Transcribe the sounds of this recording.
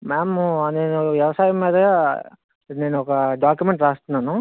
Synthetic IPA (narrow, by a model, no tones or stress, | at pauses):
maːmne̞ːnuʋjɛʋɐsaːjɐmːiːd̪ɐɡaː | ne̞ːnuɔkɐɖaːkjumeɳʈɾaːst̪unːaːnu